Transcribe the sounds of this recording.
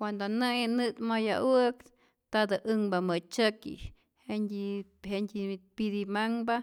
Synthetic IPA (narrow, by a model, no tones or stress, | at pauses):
kʷand̪onenɨt̪maja̰ɨk̪ | t̪ad̪ɨʔɨŋbamɨt͡ʃəkḭʃ | heɲʲiheɲd̪ʲipid̪imaŋba